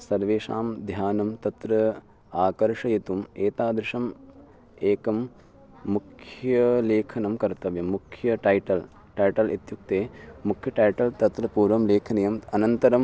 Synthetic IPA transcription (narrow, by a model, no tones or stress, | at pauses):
sɐɾʋeːʃa̰ːmd̪ʱjaːnɐmt̪ɐt̪ɾɐ | aːkɐɾʂɐjit̪umeːt̪aːd̪ɾɪʂɐm | eːkɐmː | ukʰjɐleːkʰɐnɐmkɐɾt̪ɐʋjɐmːukʰjɐʈɐjʈɐl | ʈɐjʈɐlḭt̪juk̚t̪eːmukʰjɐʈɐjʈɐlt̪ɐt̪ɾɐpuːɾʋɐmleːkʰɐnɐjɐmɐnɐnt̪ɐɾɐm